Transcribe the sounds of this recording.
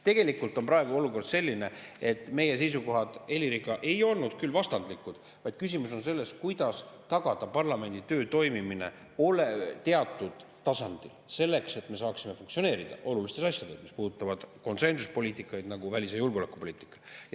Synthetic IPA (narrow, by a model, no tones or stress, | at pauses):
t̪e̞ɡ̥e̞likːˑult̪ːˑo̞nprɑeɡ̥uo̞luko̞rd̪̥se̞lʲːine̞e̞t̪ːˑme̞je̞s̬e̞js̬uko̞ɦɑd̪̥e̞lʲiɾiɡ̥ɑʔe̞jo̞lnud̪̥̚kylvɑst̪ɑnd̪likːˑud̪̥ | vɑjd̪̥̚kys̬ʲimuso̞nse̞lːe̞skujd̪̥ɑst̪ɑɡ̥ɑd̪̥ɑpɑrlɑme̞nd̪̥it̪ø̞ːt̪o̞jmimine̞̰ | o̞let̪e̞ɑt̪ːˑud̪̥ | t̪ːɑsɑnd̪̥ilse̞lːe̞kse̞t̪ːˑme̞sɑːksime̞fuŋkt̪sio̞ne̞ːɾid̪̥ɑ̰ʔo̞lulist̪esɑsʲjɑd̪e̞smispuːd̪ut̪ːˑɑvɑd̪̥ko̞nse̞nsuspo̞lʲiːt̪ːˑikːˑɑjd̪nɑɡuvælʲisejulɡolekːˑu̥po̞liːt̪ˑi̥kːˑɑ̥